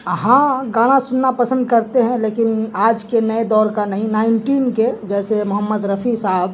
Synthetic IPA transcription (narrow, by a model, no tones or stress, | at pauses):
ɦãɡaːñasʊnːapəsə̃nd̪kɐɾt̪eɦɛ̃leːkɪnaːd͡ʒkenəed̪ɔːɾkanɐɦĩnaːɪɳʈiːnked͡ʒɛːsemʊɦəmːəd̪ɾəpʰisaɦəb